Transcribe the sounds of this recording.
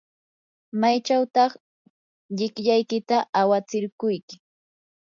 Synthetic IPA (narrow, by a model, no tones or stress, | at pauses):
majt͡ʃawt̪ɑχ | ʎɪkʎajkɪt̪aʔawat͡sɪɾkʊjkɪ